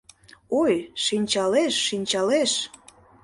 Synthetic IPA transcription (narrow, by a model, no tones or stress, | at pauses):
ojʃinʲt͡ɕɑleʃːinʲt͡ɕɑleʃ